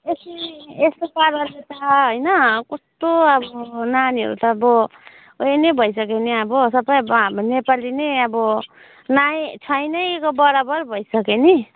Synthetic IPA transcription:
esiest̪opaɾʌlet̪ʌɦojnʌkust̪oʌbʌnaniɦʌ̰ɾṵt̪ʌːbʌ | oenebʱʌjsʌkeniʌbʌsʌbʌjnepalinejʌbʌ | najt͡sʰʌjnʌjkobʌɾabʌrbʱʌjsʌkeni

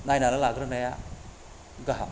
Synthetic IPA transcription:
najnalalaɡɾɯnɐja | ɡaɦa

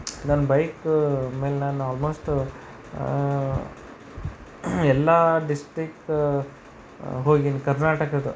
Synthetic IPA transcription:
nɐnɐbɐjkme̞ːlnaːnuaːlmoːsʈ | ɛlːɐɖisʈɾik̚ː | ɦoːɡinikɐɾnaːʈɐkɐd̪u

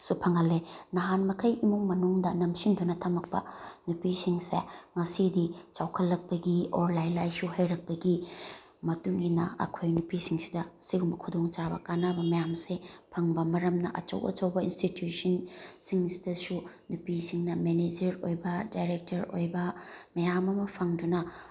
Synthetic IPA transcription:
supʰɐŋɐlːenɐɦanmɐkʰɐjimuŋmɐnuŋdɐnɐmsindunɐtʰɐmɐk̚pɐ̰nupisiŋsḛŋɐsidit͡ʃawkʰɐlːɐk̚pɐɡioɾlajlajsuhɐjɾɐk̚pɐɡi | mɐtuŋinɐ̰ɐ̰kʰojnupisiŋsi̥dɐsiɡumbɐkʰudoŋt͡ʃabɐkanabɐmɐjamsepʰɐŋbɐmɐɾɐmnɐʔɐt͡ʃɐ̰wʔɐ̰t͡ʃɐwbɐḭnstitjusɐnsiŋsi̥dɐsu | nupisiŋnɐmened͡ʒɐɾojbɐdajɾek̚tɐɾo̰jbɐmɐjamɐmɐpʰɐŋdunɐ

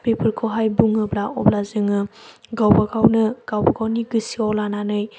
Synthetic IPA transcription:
pepʰɯɾkʰoɦajbuŋɯblaɔblazɯŋɯɡawbaɡawnɯɡ̥awbɐɡawniɡɯsiɔlananɯj

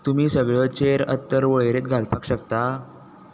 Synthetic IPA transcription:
t̪umiːsəɡɭət͡ɕeɾə̰t̪ːəɾʋəɭɾet̪ɡʱalpakɕəkt̪a

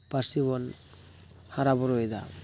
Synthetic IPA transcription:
paɾsibɔn | haɾabɔɾojd̪a̰

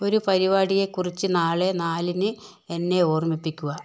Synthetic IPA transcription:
o̞ɾupɐɾiβaːɽije̞kːurit͡ɕːɨnaːɭe̞naːlinɨ | e̞nːe̞o̞ːrmipːikʲːuɣɐ

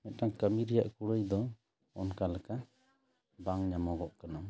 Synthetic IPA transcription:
mɛt̪̚ʈaŋkamiɾɛjaʔkuɽəjd̪ɔ | ɔnkalaka | baŋɲamɔɡɔʔkanam

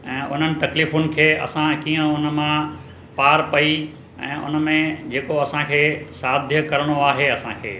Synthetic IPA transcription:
ɛ̃ːʔʊn̤ənɪ̆t̪ɐkliːfʊnɪ̆kʰeːɐ̰sãkiːə̃ʊnəmã | paːɾpɐi | ɛ̰̃ːʔʊ̰nəmẽd͡ʑeːkoɐsãkʰeːsaːd̪ʱjəkɐɾəɽ̃oaːɦeɐsãkʰḛː

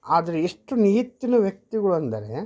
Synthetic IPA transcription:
aːd̪ɐɾeiʂʈuniɦit̪ːinɐʋjɐk̚t̪iɡɐɭuɐnd̪ɐɾe

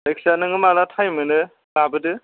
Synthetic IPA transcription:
leksanɯŋɯmalatʰajmɯnɯ | labɯdɯ

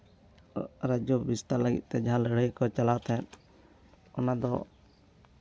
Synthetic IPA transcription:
ɾad͡ʒubist̪aləɡḭt̪̚ˀt̪ɛd͡ʒaɦãləɽ̤əjkɔt͡ʃalawt̪ʰɛn | ɔnad̪ɔ̰

